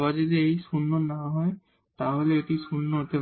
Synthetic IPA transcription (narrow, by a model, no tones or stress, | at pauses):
bazid̪eejsunːɔnaɦɔj | t̪aɦoleːʈisunːɔɦot̪ep